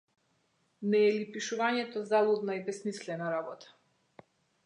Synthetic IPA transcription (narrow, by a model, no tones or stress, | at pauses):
nɛːlipiʃuvaɲɛt̪ɔzalˠud̪naibɛsmislɛnaɾabɔt̪ʰḁ